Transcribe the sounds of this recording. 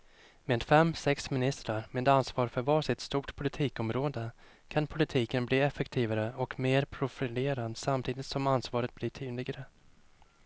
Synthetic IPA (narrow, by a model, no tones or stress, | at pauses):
meːd̪fɛmːsɛksmɪnɪst̪ɾaɾmeːd̪ansvɑːɾfœɾvɑːʂɪt̪st̪uːʈpʰʊlɪt̪ʰiːkɔmɾoːd̪ə | kʰanpʰʊlɪt̪ʰiːkənbliːɛfɛkt̪ʰiːvaɾəɔkmeːɾpʰɾʊfɪleːɾand̪samt̪ʰiːd̪ɪt̪sɔmansvɑːɾət̪̚blɪʈʰyːd̪lɪɡaɾə